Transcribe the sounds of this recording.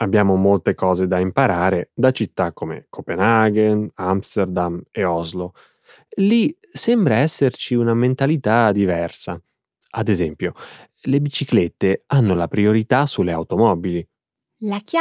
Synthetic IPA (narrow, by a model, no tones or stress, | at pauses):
abːjaːmomolt̪ekɔːzed̪aimpaɾaːɾed̪at͡ʃit̪ːakːomḛkʰopenaɡenamst̪erd̪ameɔzlo | li | sɛmbɾaɛsːert͡ʃiunament̪alit̪ad̪ivɛrsa | ad̪ezɛmpjo | lebit͡ʃiklet̪ːeanːolapɾioɾit̪asuleawt̪omɔbili | lak